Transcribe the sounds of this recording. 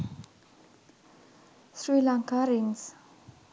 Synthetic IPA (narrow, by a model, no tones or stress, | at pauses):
sɹiːlãŋkaɹiŋs